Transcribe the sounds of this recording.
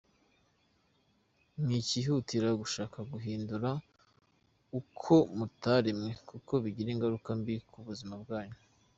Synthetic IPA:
mŋiːciɦutiɾaɡuʃaːkaɡuɦiːnduɾa | ukʰo̞mutaɾimŋekuko̞βiɟiɾeŋɡaɾukambikʰuβuzimabɡaːɲu

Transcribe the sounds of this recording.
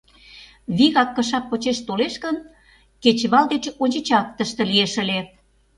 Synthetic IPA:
βiɣɑkːəʃɑpːot͡ɕeʃt̪oleʃkən | ket͡ɕβɑld̪et͡ɕonʲt͡ɕet͡ɕɑk̚t̪əʃt̪ĕlieʃə̆le

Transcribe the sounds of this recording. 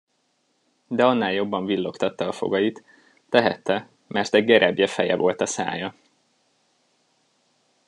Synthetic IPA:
d̪ɛɒnːaːljo̞bːɒɱvilːo̞kt̪ɒt̪ːɒːfo̞̰ɡɒjit̪ː | ɛɦɛt̪ːɛ | mɛrt̪ɛɟɡɛɾʔɛbjɛfɛjɛvo̞lt̪ɒsa̰ːjɒ

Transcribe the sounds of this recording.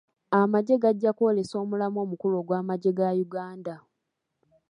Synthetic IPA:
amaɟe̞ɡaɟːakwole̞so̞ːmulamo̞ːmukulo̞ːɡwaːmaɟe̞ɡajuɡaːnda

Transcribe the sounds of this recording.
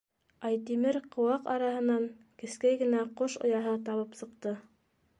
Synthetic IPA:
ɑjt̪imɘɾqŏwɑqɑ̰ɾɑɦɤ̆nɑŋ | kɘ̆skæjɡɘ̆næqoʃŏ̰jɑɦɤt̪ɑβɤpsɤ̆q̚t̪ɤ

